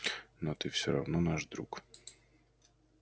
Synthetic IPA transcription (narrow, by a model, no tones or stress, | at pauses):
nɔt̪ɨfsʲɔɾɐ̰vnɔnaʐd̪ɾṵk